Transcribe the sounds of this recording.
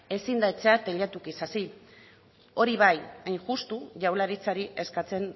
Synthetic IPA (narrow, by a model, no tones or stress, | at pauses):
e̞sind̪aet͡se̞at̪e̞ʎat̪ukisasi | o̞ɾiβajajŋʝust̪uʝawlaɾit͡saɾie̞skat͡se̞n